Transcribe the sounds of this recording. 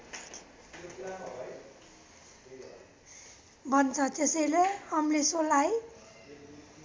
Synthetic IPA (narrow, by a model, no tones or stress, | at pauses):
bʱʌnt͡sʰʌt̪esʌjleʌmlesolaj